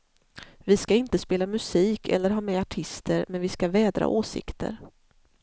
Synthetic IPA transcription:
vɪskaɪnt̪əspeːlamɵsiːkʰɛ̰lːəɾɦɑːmɛːaʈʰɪst̪ʰəɾmɛnvɪskavɛːd̪ɾa̰ʔoːsɪ̰kt̪ʰə̰ɾ

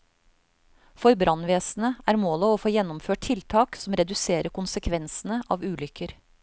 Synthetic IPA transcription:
fɔɾbɾʔɑnʋeːsn̩əæːɾmoːləoːfoːjɛnʊmføːʈ̚t̪ʰɪlt̪ʰɑːksɔmɾɛd̪ʉseːɾəkʊnsəkʰʋɛnsn̩əʔɑːʋʉːlʏkʰəɾ

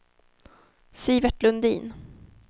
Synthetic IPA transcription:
siːvɛʈlɵnd̪ḭːn

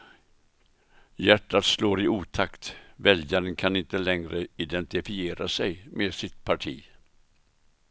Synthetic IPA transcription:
jæʈːat̪sloːɾɪʔuːt̪ʰakt̪vɛljaɾənkʰanɪnt̪əlɛŋɾəɪd̪ɛnt̪ɪfɪeːɾasɛjmʔeːsɪt̪̚pʰaʈʰḭː

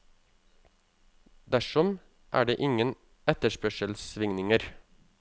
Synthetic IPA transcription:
d̪æʃɔm | ʔæ̰ːɖeːʔɪŋən | ɛt̪əʃpœʃəlsʋɪŋnɪŋəɾ

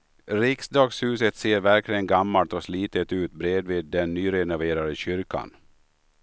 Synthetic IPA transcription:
ɾɪksd̪ɑːɡshʉ̟ːsət̪seːɾvæɾklɪɡənɡamːalt̪ɔsliːt̪ət̪ʉ̟ːt̪bɾeːd̪viːd̪ːɛnːyːɾɛnʊveːɾad̪əɕʏɾka̰n

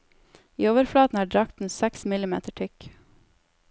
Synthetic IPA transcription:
ḭːoːʋəɾflɑːt̪n̩æːɖɾɑk̚t̪n̩sɛksmɪlɪmḛːt̪əʈʰʏk

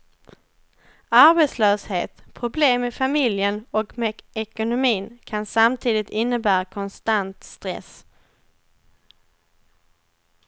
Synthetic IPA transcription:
aɾbɛt̪slœːsheːt̪pʰɾʊbleːmɛfamɪljənɔkmɛɛkʊnʊmiːnkʰansamt̪ʰiːd̪ɪt̪ɪnːəbæːɾakʰɔnst̪ant̪st̪ɾɛ̰s

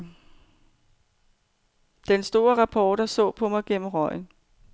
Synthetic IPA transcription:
d̥ensd̥o̝ːɐʁɑ̈pʰɒːɾ̥ɐsɔ̰̽ːpʰɒ̽mɑ̈ɪɡ̥en̰m̩ʁɒɪ̰n

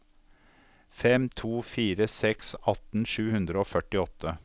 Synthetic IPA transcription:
fɛmt̪ʰuːfiːɾəsɛksɑt̪n̩ʃʉːhʉnd̪ɾəoːfœʈɪɔt̪ʰːə

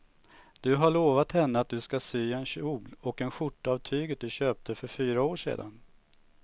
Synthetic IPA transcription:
d̪̥ɵɦaɭoːvat̪hɛnːəat̪̚d̪ɵskasyːɛnɕuːɡlɔkɛnɧʊʈːaːvt̪ʰyːɡət̪̚d̪ɵɕøːp̚t̪ʰəfœɾfyːɾaoːʂḛːd̪a̰n

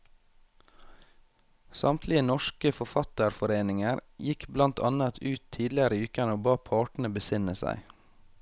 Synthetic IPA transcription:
sɑmt̪ʰlɪənɔʃkəfɔfɑt̪əɾfɔɾeːnɪŋəɾjɪkblɑnt̪ʰɑ̰nɑt̪ʰʉːt̪ʰiːd̪lɪəɾəʉːkəɳəoːbɑːpʰɑːʈɳ̩əbəsɪnəsæ̰ɪ

